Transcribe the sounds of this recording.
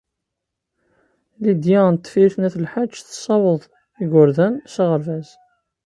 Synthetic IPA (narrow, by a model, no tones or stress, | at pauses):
lid̪jænt̪ːfiθnæθəlħat͡ʃːθə̥sˤːɑwəðˤ | iɡʊɾðænsiʁəɾvæz